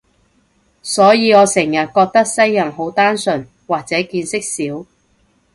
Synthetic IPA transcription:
sɔː˨˥jiː˨˧ŋɔː˨˧sɪ˨˩ŋjɐ˨t̚kɔː˧k̚t̪ɐ˥k̚sɐ˥jːɐ˨˩nɦo˨˥wt̪aː˥nsɵ˨n | waː˨k̚t͡sɛː˨˥kiː˧nsɪ˥k̚siː˨˥w

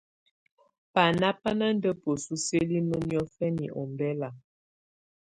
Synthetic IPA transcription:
pa˨na˦pa˦na˦n˦də˦po˨su˦se˦li˦mə˦njɔ˦fɛ˦ni˨ʔɔ˨mbɛ˦la˨

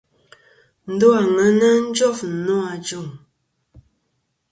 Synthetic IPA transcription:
n̩˨˦do˦a˨ŋə˨˦na˦n̩˦d͡ʒɔ˦˨f̩˨nɔ˦a˨d͡ʒo˦˨ŋ

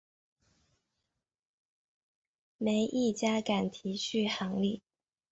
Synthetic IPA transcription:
me˧˥ɪʔi˥˩t͡ɕja˥ka˨˩nt̪ʰi˧˥t͡ɕʰy˥˩xɑ˧˥ŋli˥˩

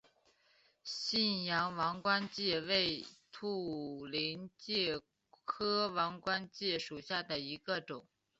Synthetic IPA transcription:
ɕi˥˩njɑ˧˥ŋwɑ˧˥ŋkwa˥nt͡ɕjɛ˥˧we˥˩ɪt̪ʰu˥˩li˧˥nt͡ɕjɛ˥˩ | kʰɤ˥wɑ˧˥ŋkwa˥nt͡ɕjɛ˥˩ʂu˨˩ɕja˥˩d̪ə˩i˧˥ɡə˧ʈ͡ʂʊ˨˩˦ŋ

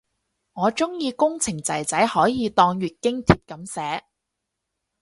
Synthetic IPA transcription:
ŋɔː˨˧t͡sʊ˥ŋjiː˧kʊ˥ŋt͡sʰɪ˨˩ŋt͡sɐ˨˩jt͡sɐ˨˥jhɔː˨˥jiː˨˧t̪ɔː˧ŋɥyː˨t̚kɪ˥ŋt̪ʰiː˨˧p̚kɐ˨˥msɛː˨˥

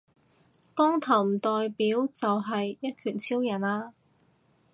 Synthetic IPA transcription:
kɔː˥ŋt̪ʰɐ˨˩wm̩˨˩t̪ɔː˨jpiː˨˥wt͡sɐ˨wɦɐ˨jːɐ˥t̚kʰyː˨˩nt͡sʰiː˥wjɐ˨˩naː˧

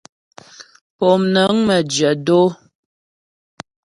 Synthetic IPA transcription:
pɔ˨mnə˨˦ŋmə˨d͡ʒə˨do˦

